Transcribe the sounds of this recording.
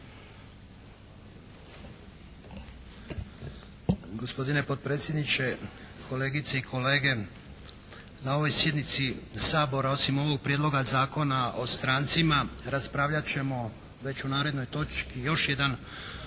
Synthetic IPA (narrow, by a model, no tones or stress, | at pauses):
ɡo̞spo̞d̪ine̞po̞t̪̚pɾeːt̪sjed̪nit͡ɕe̞ | kʰo̞le̞ːɡit̪seikʰo̞le̞ːɡe̞ | nao̞ʋo̞jsje̞d̪nit̪sisaːbo̞ɾao̞simo̞ʋo̞ɡ̚pɾjed̪lˠo̞ɡazaːko̞naʔo̞st̪ɾaːnt̪simaɾaspɾaːʋʎat͡ɕe̞mo̞ | ʋe̞t͡ɕunaːɾed̪nojt̪o̞t͡ʃkijo̞ʃje̞d̪an